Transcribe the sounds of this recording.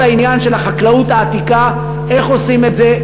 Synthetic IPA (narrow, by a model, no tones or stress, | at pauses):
ainjanʃe̞laχaklautaːt̪ika | e̞χo̞simetze̞